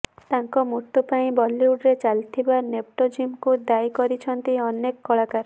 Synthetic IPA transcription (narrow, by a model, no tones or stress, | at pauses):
t̪aŋkɔmut̪ːupaĩbɔlːiuɽɾet͡ʃalt̪ʰibanep̚ʈod͡ʒimkud̪ajkɔɾit͡ʃʰɔnt̪iɔnekːɔɭakaɾ